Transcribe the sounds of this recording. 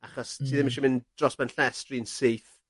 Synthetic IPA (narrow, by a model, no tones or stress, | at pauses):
aχɔstʰiːðɪmnʃɔmɪnd̥rɔsbɛnɬɛstrinsejθ